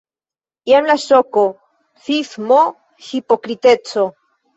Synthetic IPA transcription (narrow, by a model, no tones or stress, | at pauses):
jamlasoko | fifmo | hipokɾit̪et͡so